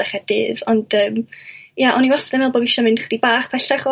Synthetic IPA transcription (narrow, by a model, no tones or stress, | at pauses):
aχɛd̥ɪ̰ðɔnd̥əːmjaʔɔniwɔstɛmɛlˠboːbɪʃɔmɪnd̥χədibaːχpʰɛɬɛχɔ